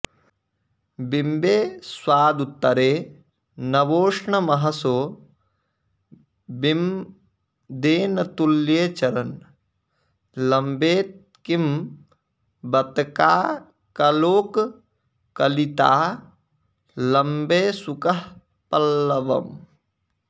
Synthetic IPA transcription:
bimbeːswaːd̪ut̪ːɐɾeː | nɐʋoːʂɳɐmɐɦɐsoː | bim | d̪eːnɐt̪uljeːt͡ʃɐɾɐn | lɐmbeːt̪ | kim | bɐt̪kaː | kɐloːk | kɐlit̪aː | lɐmbeːsukɐɦ | pɐlːɐʋɐ̰m

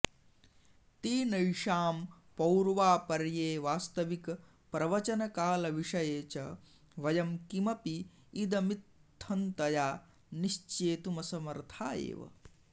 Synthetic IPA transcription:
t̪iːnɐjʂaːm | pɐwɾʋaːpɐɾjeːʋaːst̪ɐʋik | pɾɐʋɐt͡ʃɐnɐkaːlɐʋiʂɐjeːt͡ʃɐ | ʋɐjɐmkimɐpiː | d̪ɐmit̪ʰːɐnt̪ɐjaː | niʃt͡ʃeːt̪umɐsɐmɐɾt̪ʰaːjḛːʋɐ̰

